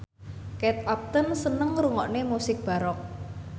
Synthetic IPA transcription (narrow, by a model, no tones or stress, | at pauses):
kɛt̪̚ap̚t̪ənsənəŋɾuŋɔʔnemusɪk̚b̥a̤ɾɔk̚